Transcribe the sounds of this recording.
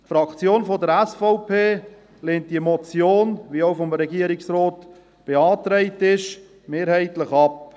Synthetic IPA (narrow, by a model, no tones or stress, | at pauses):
tfɾɑkt͡sjoːnfodəɾɛsfɔʊpʰeː | leːnt̚d̥iəmɔt͡sjoːnʋiəoʊfɔmɾɛɡiəɾɪksɾɔːt | b̥eɑːtɾɛɪtɪʃ | meːɾhɛɪtləχɑp